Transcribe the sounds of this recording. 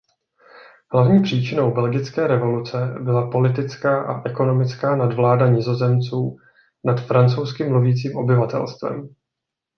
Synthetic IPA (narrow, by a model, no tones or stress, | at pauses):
hlavɲiːpr̥iːt͡ʃɪno̞wbɛlɡɪt͡skɛːɾɛvo̞lut͡sɛbɪlapo̞lɪt̪ɪt͡skaːʔa̰ʔɛko̞no̞mɪt͡skaːnadvlaːdaɲɪzo̞zɛmt͡suː | nat̪fɾant͡so̞wskɪmluviːt͡siːmʔo̞bɪvat̪ɛ̰lst̪vɛ̰m